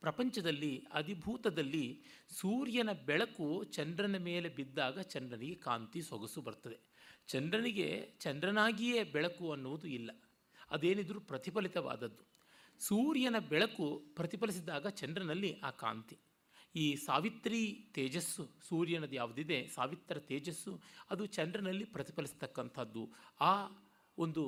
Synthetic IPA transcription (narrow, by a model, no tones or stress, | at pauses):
pɾɐpɐɲt͡ʃɐd̪ɐlːiɐ̰d̪ʱibʱuːt̪ɐd̪ɐlːi | suːɾjɐnɐbɛɭɐkut͡ʃɐndɾɐnɐme̞ːle̞bid̪ːaːɡɐt͡ʃɐndɾɐniɡe̞ka̰ːnt̪isoɡɐsubɐɾt̪ɐd̪e̞ | t͡ʃɐndɾɐniɡe̞̰t͡ʃɐndɾɐnaːɡijeːbɛɭɐkuɐnːuʋud̪uilːɐ | ɐ̰d̪e̞ːnid̪ɾupɾɐt̪ipɐlit̪ɐʋa̰ːd̪ɐd̪ːu | suːɾjɐnɐbɛɭɐkupɾɐt̪ipɐlis̬id̪aːɡɐt͡ʃɐndɾɐnɐlːiʔaːka̰ːnt̪i | iːsaːʋit̪ɾiːt̪eːd͡ʒɐsːusuːɾjɐnɐd̪jaːʋud̪id̪e̞saːʋit̪ːɐɾɐt̪eːd͡ʒɐsːuɐd̪ut͡ʃɐndɾɐnɐlːipɾɐt̪i̥pɐlist̪ɐkːɐnt̪ʰɐd̪ːuaː | ond̪u